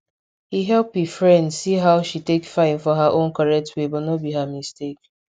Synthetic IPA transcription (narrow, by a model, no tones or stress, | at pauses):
hiɦɛlpifɹɛ̃ndsiɦaʊʃitekfãɪ̃nfɔɦaʔõnkɔɹɛk̚tʰwebɔnɔbiɦamistek̚